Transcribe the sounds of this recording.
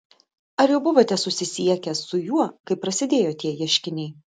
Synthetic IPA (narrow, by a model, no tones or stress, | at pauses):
ɐɾjɛʊbʊʋoːt̪ʲɛsʊsʲɪsʲiɛkʲɛsʊjuɔkɐɪpːɾɐsʲɪd̪ʲeːjoːt̪ʲiɛjiɛʃʲkʲɪnʲɛɪ